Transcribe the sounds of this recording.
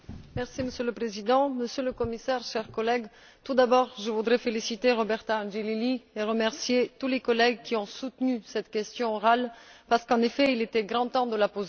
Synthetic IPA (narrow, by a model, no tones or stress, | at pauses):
mɛʁsiməsjøləpχezid̪ɑ̃məsjøləkɔmisɛʁʃɛʁkɔlɛɡ | t̪ud̪abɔʁʒəvud̪ʁɛfelisit̪eʁɔbɛʁt̪aɑ̃ʒelilieʁəmɛʁsjet̪ulekɔlɛɡkʲiɔ̃sut̪nysɛt̪kʲɛst̪jɔ̃ɔʁalpaʁsə̥kɑ̃nefɛilet̪ɛɡʁɑ̃t̪ɑ̃d̪əlapoze